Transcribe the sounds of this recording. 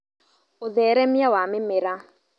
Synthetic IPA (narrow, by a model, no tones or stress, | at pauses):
ʊðɛɾɛmjawamɪmɪɾa